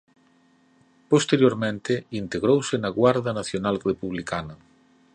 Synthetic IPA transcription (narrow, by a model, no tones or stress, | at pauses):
post̪eɾjoɾmẽnt̪ɪint̪eɣɾowsɪnɐɣwaɾðɐnaθjonalrepuβlikanɐ